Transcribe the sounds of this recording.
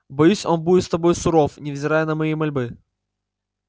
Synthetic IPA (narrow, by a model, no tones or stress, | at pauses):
bɐjusʲonbuɪt̪st̪ɐbo̞j̪sʊɾofnʲɪvzʲɪɾajənɐmɐjimɐlʲbɨ